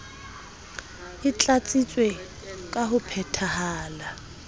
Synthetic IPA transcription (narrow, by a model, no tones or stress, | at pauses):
ɪt͡ɬʼat͡sʼit͡sʼwe | kʼaɦʊpʰɛtʰahaːla